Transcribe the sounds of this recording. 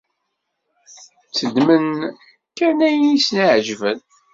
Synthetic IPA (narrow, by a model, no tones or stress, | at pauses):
t͡sːəd̪mən | kænæjnisnaʕʒvən